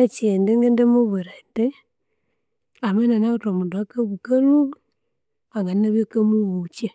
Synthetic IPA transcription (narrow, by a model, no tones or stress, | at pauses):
at͡ʃendeŋɡendemoβuɾate | amananatomudakabukalu | aŋɡanːaβokamuwut͡ʃe